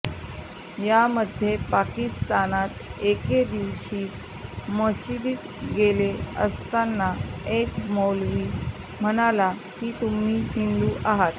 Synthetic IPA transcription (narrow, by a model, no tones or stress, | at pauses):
jaməd̪ʱjepakist̪anat̪eked̪iʋɕiː | məsid̪iːt̪ | ɡeleə̰st̪anːaekmolʋiː | m̤əɽ̃ala | kiːt̪um̤iːnind̪uːʔaɦat̪